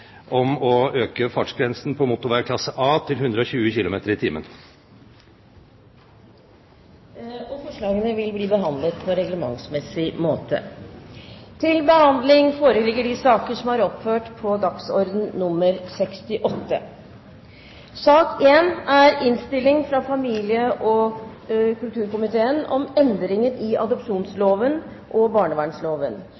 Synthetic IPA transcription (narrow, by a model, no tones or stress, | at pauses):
ʔɔmɔøːkəfɑʈʂɡɾɛnsn̩pʰɔmʊt̪ʊɾʋækʰlɑsəʔɑːt̪ʰɪlhʉnd̪ɾəɔɕʉːəçɪlʊmḛːt̪əɾɪt̪ʰiːmə̰n | ɔfɔʂɭɑːɡənəʋɪlbliːbəɦɑnd̪lət̪pʰɔɾɛɡləmɑ̰ŋsmɛsɪmoːt̪ʰə̰ | t̪ʰɪlbəhɑnd̪lɪŋfoːɾəlɪɡːəɖɪsɑːkəʂɔmɑɾɔpføːʈpʰɔd̪ɑksɔɾd̪n̩nʊmːəɾsɛkst̪ɪʔɔt̪ːə̰ | sɑːkeːnæɾɪnst̪ɪlːɪŋfɾɑfɑmiːlɪəʔɔ | kʉlt̪ʰʉːɾkʊmɪt̪ʰeːənʔɔmɛnd̪ɾɪŋənɪʔɑ̰d̪ɔpʂuːnsloːʋən | ʔɔbɑːɳəʋæːɳsloːʋən